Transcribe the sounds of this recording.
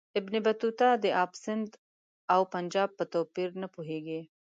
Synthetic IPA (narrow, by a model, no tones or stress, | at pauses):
ɪbnebat̪ut̪ɑd̪əʔɑpsɪnd̪ | awpand͡ʒɑb̚pət̪opiɾnapuɦeɡi